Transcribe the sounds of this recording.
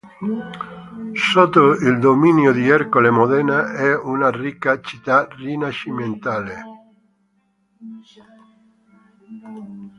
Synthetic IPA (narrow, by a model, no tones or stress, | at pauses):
sot̪oild̪ominjod̪iɛɾkolemoðɛnaɛunarikːat͡ʃit̪arinaʃiment̪ale